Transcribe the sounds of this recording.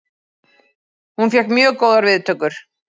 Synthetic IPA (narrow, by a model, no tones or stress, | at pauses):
hunfjɛhkmjœːɣkoːwðaɾvɪðt̪ʰœːkʏɾ̥